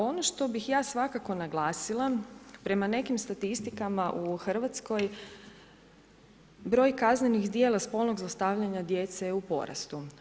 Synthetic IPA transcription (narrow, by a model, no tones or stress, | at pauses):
o̞noʃt̪o̞bixjaːsʋakako̞naɡlˠaːsilˠapɾe̞mane̞kimst̪at̪ist̪ikamaʔuxr̩ʋat̪sko̞j | bɾo̞ːjkaznenixd̪je̞ːlˠaspo̞lˠno̞ɡzlˠast̪aʋʎaɲad̪je̞t̪sejeupo̞̰ɾa̰st̪u